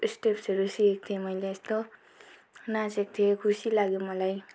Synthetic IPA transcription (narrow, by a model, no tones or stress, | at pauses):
sʈepsʌɾusiek̚t̪ʰiemʌjleːst̪o | nasek̚t̪ʰijekʰusilaɡjomʌlaj